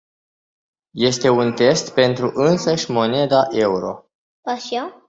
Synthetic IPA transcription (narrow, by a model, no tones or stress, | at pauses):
je̞st̪e̞unt̪e̞st̪pe̞nt̪ɾuʔɨnsəʃʲmo̞ne̞d̪aʔe̞uɾo̞̰ | paʃa